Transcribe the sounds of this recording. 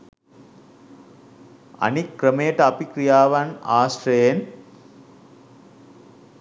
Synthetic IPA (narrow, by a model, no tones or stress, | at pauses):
ɐ̰nikːɾəmejʈɐɐpikɾijaːʋɐnaːsʈɾejen